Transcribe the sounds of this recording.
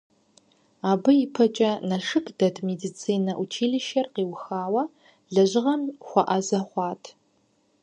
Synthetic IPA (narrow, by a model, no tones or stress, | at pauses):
aːbɨipʰɐt͡ʃʼɐnɐʂɨkʼd̥ɐdʰmedit͡sʰiːnɐʔut͡ʃʰiːɮɨʃɐrqiːwxaːwɐ | ɮɐʑɪʁɐmχʷɔʔɐzɐχʷɑːtʰ